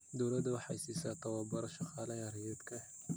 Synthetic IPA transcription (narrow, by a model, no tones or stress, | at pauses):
d̪ɔwlɐd̪ɐwɑħɑjsiːsaːt̪ʰɐwɑbɐɾɐʃɑqɑːlɐjɐɾjɛd̪kʰɐ